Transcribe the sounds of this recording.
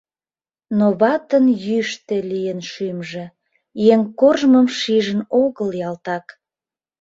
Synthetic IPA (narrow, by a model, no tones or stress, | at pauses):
noβɑt̪ənjyʃt̪elijənʃymʒĕ | jeŋkorʒməmʃiʒənoɣəljɑlt̪ɑk